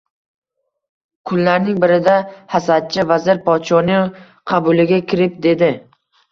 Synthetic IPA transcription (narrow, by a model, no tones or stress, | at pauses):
kʰʊllaɾnɪŋbɪɾɪd̪ahasad̪̚t͡ʃʰɪvazɪɾpʰɒt̪ʃɒnɪ | qʰɑbʊlɪɡʲakʲʰɪɾɪp̚d̪e̞d̪ɪ